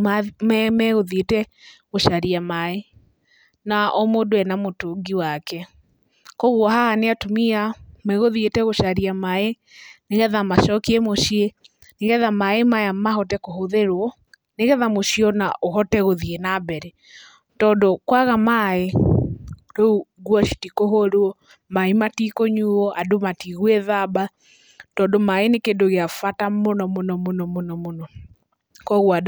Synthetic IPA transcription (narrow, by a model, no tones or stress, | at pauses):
ammɛɣoðietɛ | ɣoʃaɾiamae | naɔmodoɛnamotoɡiwakɛ | koɣwɔɦahaneatomiamɛɣoðietɛɣoʃaɾiamae | neɣɛðamaʃɔkiemoʃie | neɣɛðamaemajamaɦɔtɛkoɦoðeɾwɔ | neɣɛðamoʃiɔnaʔoɦɔtɛɣoðienabɛɾɛ | tɔːndokwaɣamae | ɾouɡwɔʃi̥tikoɦoɾuɔ | maimatikoɲuːɔʔadomatiɣwɛðaba | tɔːndomaenekendoɣeafatamonɔmonɔmonɔmonɔmonɔ | kɔɣwad